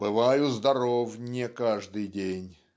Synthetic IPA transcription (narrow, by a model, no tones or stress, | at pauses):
bɨvajʊzd̪ɐɾovnʲɪkaʐd̪ɨjdʲenʲ